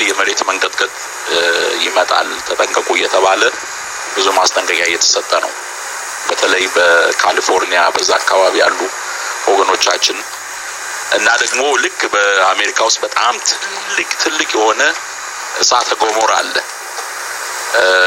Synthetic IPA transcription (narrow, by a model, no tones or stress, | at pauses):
jɛməɾe̞t̪məŋɡəd̪ɡəd̪ | jɪmət̪ʼa̰lt̪ʰət̪ʼəŋkʼəkʼujːɛt̪ʰəβalə | bɨzumast̪ʼəŋɡəɡajːɛt̪ʰə̥sət̪ʼːənəw | b̥ət̪ʰələjbəkʰalifo̞ɾnijabəzːaakːaβaβija̰lːu | ʔoɡəno̞t͡ʃːat͡ʃːɪn | ʔɨnːad̪əɡmo̞lɨkːbəame̞ɾikʰawʊst̪̚ʼbət̪ʼa̰mt̪ʰɨ | lːɨkʼt̪ʰɨlːɨkʼjɛho̞nə | ɨsat̪ʰəɡomoɾa̰lːə